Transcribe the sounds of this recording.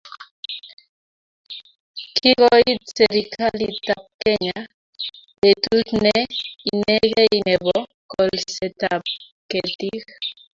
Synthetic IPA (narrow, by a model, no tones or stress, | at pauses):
kʰiɣɔitseɾikʰalit̪ap̚keɲa | betutnɛineɣeinɛβɔ | kɔlsɛt̪ap̚ | ket̪ix